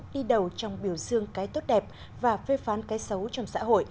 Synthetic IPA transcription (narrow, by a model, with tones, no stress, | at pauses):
ɗi˧ɗə˨˩wt͡ɕɔ˧wŋ͡mɓi˧˩əwzɨ˧əŋkaː˨˦jt̪o˦˥t̚ɗɛ˨˩p̚ | vaː˨˩fe˧faː˨˦nkaː˨˦jsə˨˦wt͡ɕɔ˧wŋ͡msa̰ː˧˥ɦo̰˧˨j